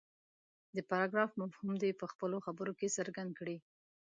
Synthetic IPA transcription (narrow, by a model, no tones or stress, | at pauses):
d̪əpaɾɑɡɾɑfmavhumd̪epəxpəloxabəɾokesəɾɡand̪̚kɽi